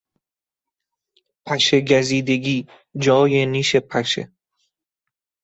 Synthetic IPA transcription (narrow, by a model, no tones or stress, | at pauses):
pʰæʃeɡæziːd̪e̞ɡiː | d͡ʒɒːjeniːʃepʰæʃḛ